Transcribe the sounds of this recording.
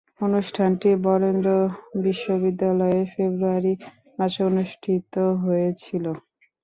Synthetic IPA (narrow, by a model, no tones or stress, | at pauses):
onuʃʈʰanʈibɔɾend̪ɾobiʃːobid̪ːalɔefebɾuaɾi | maʃeonuʃʈʰit̪oɦoet͡ɕʰilo